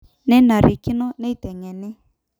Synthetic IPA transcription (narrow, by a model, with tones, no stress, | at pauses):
nɛ˦na˨ɾi˨ki˦nɔ˦ne˦i˦tɛ˨ŋɛ˨nɛ˦